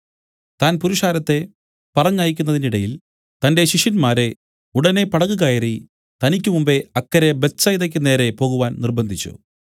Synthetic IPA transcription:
t̪aːnpuɾuʂaːɾɐt̪ːe̞ | pɐrɐɲːaːjik̬ʲːunːɐðiniɽɐjil | t̪ɐnde̞ɕiʂjɐnmaːɾe̞ | uɽɐne̞pɐɽɐɣuɣaːjiri | t̪ɐnikʲːumumbe̞ɐkːɐɾe̞bet͡ɕːɐjiðɐk̬ʲːɨne̞ːɾe̞po̞ːɣuʋaːnnirbɐnd̪ʱit͡ɕːṵ

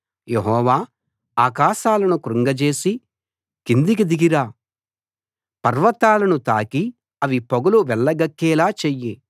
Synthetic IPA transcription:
jeɦɔːʋaː | aːkaːʃaːlɐnukɾuŋɡɐt͡ʃe̞ːsi | kind̪ik̬id̪iɡiɾaː | pɐɾʋɐt̪aːlɐnut̪aːki | ɐʋipoɡɐluʋɛlːɐɡɐkːɛːlaːt͡ʃejːi

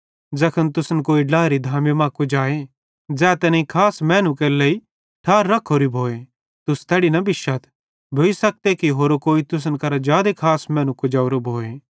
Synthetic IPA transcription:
d͡zɐkʰənt̪ʊsənkoːiɖaːɾid̪ʱaːmemãːkod͡ʒaːe | d͡zɛːt̪ɛːneikʰaːsmɛ̃ːnũkelei | ʈʰaːɾːɐkʰːoːɾibʱoːe | t̪ʊst̪ɛːɽinɐbɪʃat̪ʰ | bʱoːisɐk̚t̪ekiɦoːɾokoːit̪ʊs̬ənkɐɾad͡ʒjaːd̪ekʰaːsmɛ̃ːnũkod͡ʒaːʊɾobʱoːe

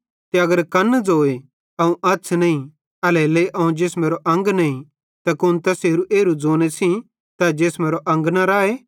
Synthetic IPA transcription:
t̪eɐɡəɾkɐnːd͡zoːe | ɐũʔɐtːsʰnɐĩ | ɐleleʔɐũd͡ʒeːsmeːɾoʔɐ̃ŋɡnɐĩ | t̪ɐkʊnt̪ɐseːɾuʔeːɾud͡zoːnesʰĩ | t̪ad͡ʒeːsmeːɾoʔɐ̃ŋɡnaɾaːe

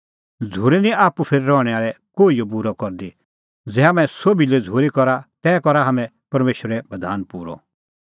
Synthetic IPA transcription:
d͡zʱuːɾɛnĩaːpupʰeːɾiɾɔːɽ̃ɛaːɭɛkoːijobuɾɔkɔɾd̪i | d͡zɛɦamɛ̃sobilɛd͡zʱuːɾikɔɾat̪ɛːkɔɾaɦɐmɛ̃ | pɐɾmeːʃəɾɛbɐd̪ʱaːnpuːɾɔ̰

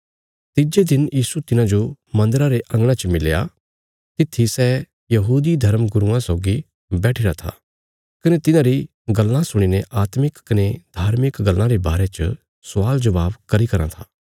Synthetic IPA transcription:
t̪ɪd͡ʒed̪ɪnjiːsut̪ɪnãd͡ʒomɐ̃nd̪əɾaɾeʔɐ̃ŋɡɽ̃ãt͡ʃəmɪlja̰ | t̪ɪt̪ʰːisɛː | jɐɦuːd̪id̪ʱɐɾmɡʊɾuãsoːɡi | bɛːʈʰiɾat̪ʰa̰ | kɐnet̪ɪnãɾi | ɡɐlːãsʊɽ̃ineʔaːt̪mɪkːɐned̪̥ʱaːɾmɪkɡɐlːãɾeba̰ːɾet͡ʃə̰ | sʊʋaːld͡ʒɐʋaːbkɐɾikɐɾã̰t̪ʰaː

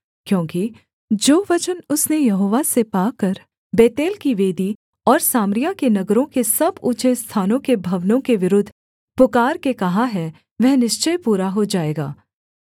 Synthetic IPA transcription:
kjõːki | d͡ʒoːʋɐt͡ʃənʊsnejɐɦoːʋasepaːkɐɾ | beːt̪eːlkiʋeːd̪i | ɔːɾsaːmɾijãkenɐɡɾõkesɐbuːt͡ʃest̪ʰaːnõkebʱɐʋnõkeʋɪɾʊd̪ʱː | pʊkaːɾkekɐɦaɦɛ | ʋɛɦnɪʃt͡ʃəjpuːɾaɦod͡ʒaːeːɡa̰ː

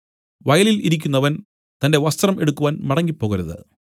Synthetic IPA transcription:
ʋɐjɐliliɾik̬ʲːunːɐʋɐn | t̪ɐnde̞ʋɐst̪rɐme̞ɽukːuʋaːnmɐɽɐŋːipːo̞ːɣɐɾɐðɨ̰

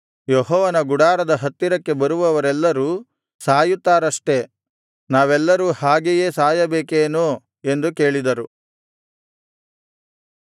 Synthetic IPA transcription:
jɔɦɔːʋɐnɐɡuɽaːɾɐd̪ɐɦɐt̪ːiɾɐkːe̞bɐɾuʋɐʋɐɾɛlːɐɾuː | saːjut̪ːaːɾɐʂʈe̞ | naːʋɛlːɐɾuːhaːɡeje̞ːsaːjɐbeːkeːnu | e̞nd̪uke̞ːɭid̪ɐɾu

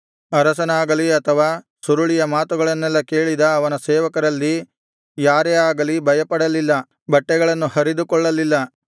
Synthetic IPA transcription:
ɐɾɐsɐnaːɡɐliɐt̪ʰɐʋaː | suɾuɭijɐmaːt̪uɡɐɭɐnːɛlːɐke̞ːɭid̪ɐːʋɐnɐsɛːʋɐkɐɾɐlːi | jaːɾeaːɡɐlibʱɐjɐpɐɽɐlilːɐ | bɐʈːɛɡɐɭɐnːuhɐɾid̪ukɔɭːɐlilːɐ

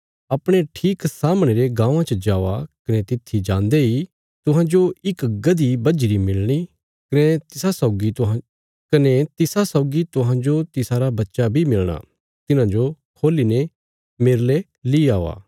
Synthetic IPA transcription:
ɐpɽ̃eʈʰiːksaːmɽ̃eːɾeɡãːʋãt͡ʃəd͡ʒaːʋakɐnet̪ɪt̪ʰːid͡ʒãːnd̪ei | t̪ʊɦãːd͡ʒoɪkɡɐd̪ibɐd͡ʒiɾimɪlɽ̃i | kɐnet̪ɪsasɔːɡit̪ | kɐnet̪ɪsasɔːɡit̪ʊɦãd͡ʒot̪ɪsaːɾabɐtːʃabʱimɪlɽ̃a̰ | t̪ɪnãd͡ʒokʰoːliːne | meɾle | liaːʋa̰ː

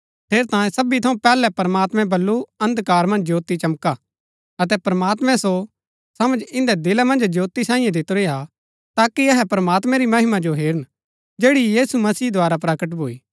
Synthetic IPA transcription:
pʰeːɾt̪ãːjẽsɐbit̪ʰɐũpɛːlɛpɐɾmaːt̪mɛ̃bɐlːuɐ̃nd̪kaːɾmɐ̃nd͡ʒjoːt̪it͡ʃɐmka | ɐt̪ɛpɾɐmaːt̪mɛ̃so | sɐmə̃d͡ʒɪ̃nd̪ɛd̪ɪlamɐ̃nd͡ʒd͡ʒoːt̪isãːĩːjãd̪ɪt̪oɾeːa | t̪aːkiɐɦɛpɾɐmaːt̪mɛ̃ɾimɐɦɪmad͡ʒoɦeːɾən | d͡ʒeːɽijiːsumɐsiːd̪oaːɾapɾɐkəʈ̬bʱoːiː

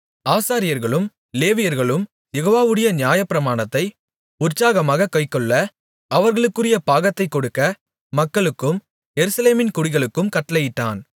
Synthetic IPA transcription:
aːsaːɾɪjɐɾɣɐɭɯm | leːʋɪjɐɾɣɐɭɯm | jɛɣoːʋaːʋɯɽɐjɐnjaːjɐpːɪɾɐmaːnɐt̪ːɐɪ | ʊɾt͡ʃːaːɣɐmaːɣɐkɐɪkːɔɭːɐ | ɐʋɐɾɣɐɭɯkːɯrɪjɐpaːɣɐt̪ːɐɪkːɔɽɯkːɐ | mɐkːɐɭɯkːɯm | jɛɾɯsɐleːmɪnkʊɽɪɣɐɭɯkːɯmkɐʈːɐlɐjɪʈːaːn

